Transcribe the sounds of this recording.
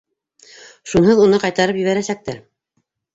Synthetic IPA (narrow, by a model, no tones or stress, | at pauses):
ʃunɦɤðunɤqɑjt̪ɑɾɤpjɘ̆βæɾæsæk̚t̪æɾ